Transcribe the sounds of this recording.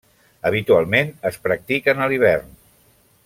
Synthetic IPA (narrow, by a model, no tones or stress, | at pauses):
əβit̪ualˠmenəspɾək̚t̪ikənəliβ̞ɛrn